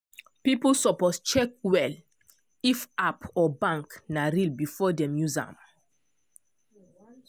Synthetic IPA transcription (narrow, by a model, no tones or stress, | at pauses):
piplsɔpɔst͡ʃɛk̚wɛl | ifapʰɔbãŋknaɾilbifɔdɛ̃mjuzã̰m